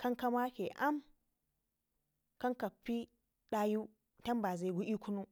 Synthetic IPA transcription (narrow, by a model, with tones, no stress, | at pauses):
kɐ˦ŋka˦ma˦kʲe˨ʔa˦m | kɐ˦ŋkɐ˨ɸːi˦ | ɗaː˦ju˦ | tɐ˦mba˨za˨ɡu˦ʔi˦kʷu˦nu˦